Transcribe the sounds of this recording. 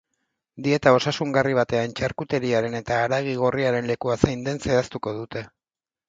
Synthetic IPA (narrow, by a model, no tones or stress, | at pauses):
d̪ie̞t̪ao̞sasuŋɡariβ̞at̪e̞ant͡ʃaɾkut̪e̞ɾiaɾe̞ne̞t̪aːɾaɣ̞iɣ̞oriaɾe̞nle̞kuasajnd̪e̞nseast̪uko̞ðut̪e̞